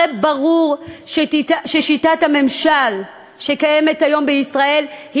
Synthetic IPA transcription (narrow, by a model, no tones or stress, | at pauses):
ebaʁuʁʃetitaʃeʃitathame̞mʃal | ʃe̞kaje̞methajo̞mbeisʁae̞lhi